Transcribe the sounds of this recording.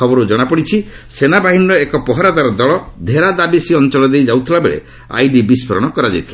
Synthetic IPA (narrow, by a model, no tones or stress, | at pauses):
ɔbɔɾud͡ʒɔɽ̃apɔɽit͡ʃʰi | senabaɦiniɾɔekɔpɔɦɔɾad̪aɾɔd̪ɔɭɔd̪ʱeɾad̪abisiɔnt͡ʃɔlɔd̪ejd͡ʒawt̪ʰilabḛɭḛ | a̰jɖibispʰɔɾɔ̰ɽ̃ɔkɔɾad͡ʒa̰jt̪ʰila̰